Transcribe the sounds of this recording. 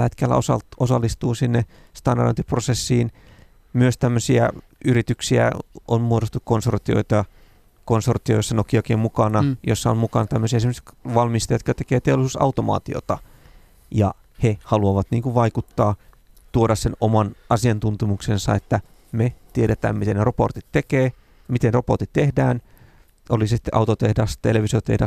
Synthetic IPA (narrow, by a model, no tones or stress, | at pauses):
het̪kælːæ̰osɑ̰osɑlːist̪uːsinːe | st̪ɑndɑro̰nt̪iprosesːiːn | myøst̪æmːøsiæ | yɾit̪yksiæ̰onmuoɾost̪ukkonsort̪io̰it̪ɑ | konsort̪iojsːɑnokiokeːmmukɑnɑjosːɑommukɑnɑt̪æmːøsiæesimːseʋɑlmist̪ɑjot̪kɑt̪ekeːt̪eolˑisuːsɑ̰wt̪omɑ̰ːt̪io̰t̪ɑ | jɑ̰ | hehɑluɑʋɑt̪niːŋkuʋʋɑikut̪ːɑː | t̪uoɾɑssenomɑnɑsiɑnt̪unt̪umuksensɑ̰et̪ːæ | met̪ieɾet̪æ̰ːmmit̪eneropo̰rt̪it̪t̪ekeː | mit̪enroport̪it̪tehdæːn | olissi̥t̪ːeʔɑ̰wt̪ot̪ehdɑst̪eleʋisiot̪ḛhdæ